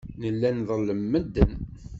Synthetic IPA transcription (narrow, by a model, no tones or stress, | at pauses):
nəlːænðˤəlːəmːəd̪ːən